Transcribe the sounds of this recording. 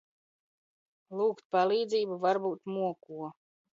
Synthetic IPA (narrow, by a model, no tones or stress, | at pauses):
lˠuːkt̪̚palˠiːd̪ziːbuvaɾbuːt̪muɔkuɔ